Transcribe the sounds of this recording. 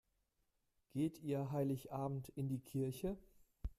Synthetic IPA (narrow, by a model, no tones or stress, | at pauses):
ɡ̥eːtʰiːɐɦaɪlɪçʔaːbm̩tɪndiːkʰɪɐçə